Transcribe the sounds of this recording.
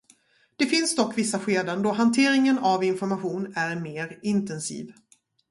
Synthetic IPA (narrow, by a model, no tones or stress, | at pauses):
d̪̥ɛfɪnsd̪ɔkːvɪsːaɧeːd̪ənd̪ɔɦant̪ʰeːɾɪŋənavɪnfɔɾmaɧuːnæɾmeːɾɪnt̪ɛnsḭːv